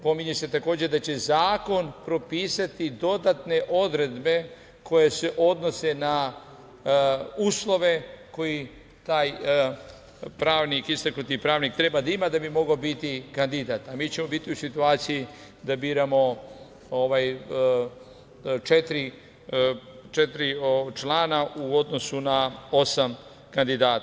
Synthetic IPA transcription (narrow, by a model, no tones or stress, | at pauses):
po̞miɲe̞se̞t̪ako̞ːd͡ʑe̞d̪at͡ɕe̞zaːko̞npɾo̞piːsat̪id̪o̞d̪at̪ne̞ʔo̞d̪ɾe̞d̪be̞ | kʰo̞jese̞ʔo̞d̪no̞se̞na | uːslˠo̞ʋe̞ko̞ji | t̪aːj | pɾaːʋnikist̪aknut̪ipɾaːʋnik̚t̪ɾe̞bad̪aimad̪abimo̞ɡaobit̪ikand̪id̪at̪amiːt͡ɕe̞mo̞bit̪iusit̪uaːt̪siji | d̪abiːɾamo̞ | oʋaj | t͡ʃet̪ɾi | t͡ʃet̪ɾiot͡ʃlaːnauo̞d̪no̞sunao̞sam | kand̪id̪aːt̪